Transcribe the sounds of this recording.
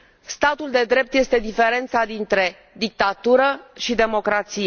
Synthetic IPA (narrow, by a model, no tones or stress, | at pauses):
st̪at̪uld̪e̞d̪ɾe̞p̚t̪je̞st̪e̞d̪ife̞ɾe̞nt̪sad̪int̪ɾe̞ | d̪ik̚t̪at̪uɾəʃid̪e̞mo̞kɾat̪sij